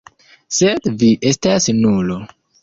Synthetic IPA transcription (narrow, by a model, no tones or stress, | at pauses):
sedviʔestasnulo